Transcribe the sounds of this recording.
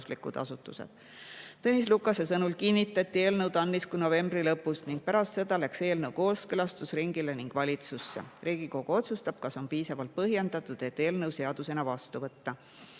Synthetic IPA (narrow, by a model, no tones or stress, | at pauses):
slikṵd̪̥ɑ̰sut̪ːˑṵse̞̰d̪̥ | t̪ɤnʲis̬lukːˑɑse̞sɤnulkinʲːit̪ːˑɑt̪ʲːie̞ːlnɤwt̪ɑnːiskujno̞ve̞mbrilɤpːˑusniŋɡ̥̚pæɾɑst̪se̞d̪̥ɑlækse̞ːlnɤwko̞ːlskɯlɑst̪usriŋɡ̥ileniŋɡ̥vɑlʲit̪susːḛriːɡ̥iko̞ɡ̥uo̞t̪sust̪ɑb̥kɑso̞npiːsɑvɑlt̪̚pɤɦjend̪̥ɑt̪ːˑud̪̥e̞t̪ːe̞ːlnɤwse̞ɑd̪̥use̞nɑvɑst̪uvɤt̪ːɑ